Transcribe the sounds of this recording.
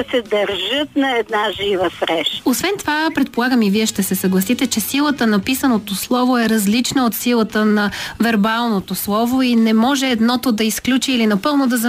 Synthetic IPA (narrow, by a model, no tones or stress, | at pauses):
ɐsɛd̪ɐɾʒət̪̚nɐɛd̪naʒivəsɾɛʃosvɛnt̪ovapɾɛt̪polˠaɡəmiviɛʃt̪ɛsɛsɐɡlˠɐsit̪ɛt͡ʃɛsilˠət̪ənɐpisənot̪oslˠɔvoɛɾɐzlit͡ʃnɐot̪silˠət̪ənɐvɛɾbalˠnot̪oslˠɔvoinɛmɔʒɛːd̪nɔt̪od̪ɐisklʲut͡ʃiːlinɐpɤlˠnod̪ɐz